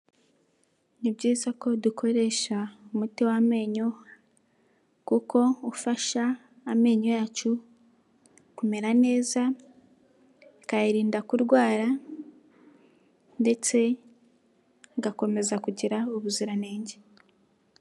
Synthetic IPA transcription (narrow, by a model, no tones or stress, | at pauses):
nibɟiːzako̞dukʰo̞ɾe̞ːʃaumutiwame̞ːɲo | kuko̞ufaʃaː | me̞ːɲojaːt͡ʃu | kume̞ɾane̞ːza | kajiɾiːndakuɾɡwaːɾa | nde̞t͡se̞ | ŋɡako̞me̞zakuɟiɾauβuziɾaneːɲɟe